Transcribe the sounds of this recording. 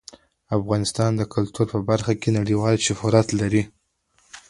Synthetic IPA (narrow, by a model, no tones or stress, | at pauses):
afɣɑnɪst̪ɑnd̪əkʊlt̪uɾpəbaɾxakenaɽiwɑlʃʊfuɾat̪laɾi